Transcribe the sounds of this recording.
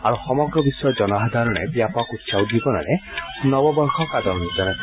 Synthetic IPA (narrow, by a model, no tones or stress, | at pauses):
aɾuxɔmɔɡɾɔbisɔjɔd͡ʒɔnɔɦad̪ʱaɾɔɽ̃ḛbjapɔkut̪sawd̪ibɔna̰ɽ̃e | nɔbɔbɔŋkʰɔkad̪ɔɾnid͡ʒɔñe